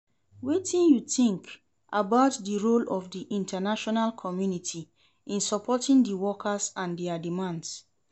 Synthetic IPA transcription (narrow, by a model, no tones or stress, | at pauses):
wetĩnjuθĩŋk | ʔabaʊtdəɹolɔvdiʔĩntanaʃɔnalkʰɔmjunitʰi | ʔĩnsɔpʰɔtĩŋdəwɔkʰasãndɛadimãnds